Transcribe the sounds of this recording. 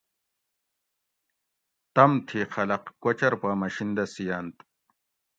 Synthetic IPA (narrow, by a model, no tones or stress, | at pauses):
t̪ɐmt̪ʰixɐlɐqkot͡ɕɐɾpaːmɐɕind̪ɐsijaːnt̪